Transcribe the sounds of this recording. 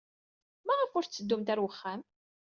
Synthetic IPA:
mæʁəfʊɾt͡sːəd̪ːumt̪æɾwəχːæm

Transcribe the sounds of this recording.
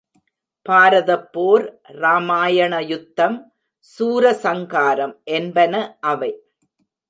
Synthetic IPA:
paːɾɐðɐpːoːɾ | ɾaːmaːjɐɳɐjʊt̪ːɐm | suːɾɐsɐŋɡaːɾɐmʔɛnbɐnɐʔɐʋɐɪ

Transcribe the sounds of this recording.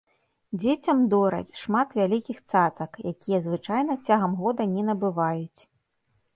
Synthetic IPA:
d͡zʲet͡sʲɐmd̪ɔɾɐ̰t͡sʲʂmat̪vʲalʲikʲixt̪sat̪sɐkjakʲijɐzvɨt͡ʂajnɐt͡sʲaɣɐmɣɔd̪ɐnʲɛnɐbɨvajut͡sʲ

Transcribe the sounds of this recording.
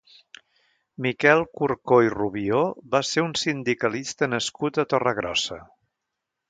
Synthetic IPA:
mikɛlˠkuɾkoiruβioβaseunsind̪ikəlist̪ənəskut̪ət̪ɔrəɣɾɔ̰sə

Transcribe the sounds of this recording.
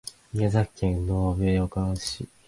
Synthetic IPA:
ijazakːẽ̞nnoːβeːokãɕḭ

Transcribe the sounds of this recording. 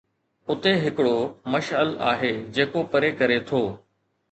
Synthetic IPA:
ʊt̪eɦɪkɪɽoːməʃəla̰ːɦeːd͡ʑeːkopəɾeːkəɾet̪ʰoː

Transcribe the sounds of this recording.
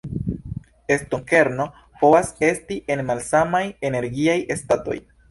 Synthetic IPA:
e̞stoŋke̞ɾno̞ | po̞vase̞stiʔe̞nmalsamaje̞ne̞ɾɡiaje̞stato̞̰j

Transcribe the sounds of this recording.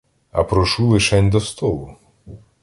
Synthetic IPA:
ɐ̰pɾɔʃulˠɪʃɛnʲd̪ɔst̪ɔlˠʊ

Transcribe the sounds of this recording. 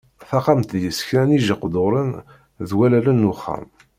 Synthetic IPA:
θɑqɑmt̪jəskɾæniʒəqːd̪ʊɾˤən | ðwælælənːʊχːæ̰m

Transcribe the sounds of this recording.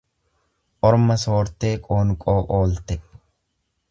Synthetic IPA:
ʔɔɾmɐso̞ːɾt̪e̞ːkʼoːnkʼoːʔoːlt̪ɛ

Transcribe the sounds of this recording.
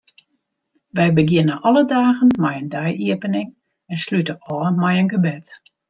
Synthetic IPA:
ʋɛjbəɡjɪnəʔɔlədaːɣənmɛjəndɛjiəpənɪŋ | ɛnslytəɔːmɛjənɡəbɪt

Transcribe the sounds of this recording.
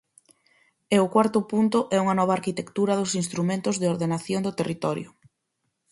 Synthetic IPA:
eʊkwaɾt̪ʊpunt̪ʊʔɛuŋɐnɔβ̞aːɾkit̪ekt̪uɾɐðʊsinst̪ɾumẽnt̪ʊzðɪoɾðenaθjoŋd̪ʊt̪erit̪ɔɾjʊ

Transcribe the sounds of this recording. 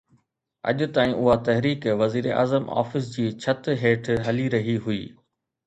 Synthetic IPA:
ɐ̰ʄʊ̆t̪aːĩʔʊɦat̪ɐɦɾiːkʋɐziːɾeʔa̰ːzəmʔa̰ːfɪs̬d͡ʑiːt͡ɕʰɐt̪ɦeːʈʰɦɐliɾɐɦiɦʊḭː

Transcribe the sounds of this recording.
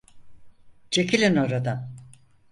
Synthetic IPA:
d͡ʒecʲʰilʲinoɾad̪a

